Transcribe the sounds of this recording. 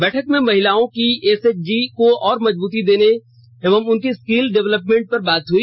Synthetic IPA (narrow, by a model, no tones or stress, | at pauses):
bɛːʈʰəkmẽmɐɦɪlaːõkieːseːt͡ʃd͡ʒikoɔːɾmɐd͡ʒbuːt̪id̪eːne | eʋəmʊnkiskiːlɖɛʋləpmẽɳʈ̚pɐɾbaːt̪ɦʊi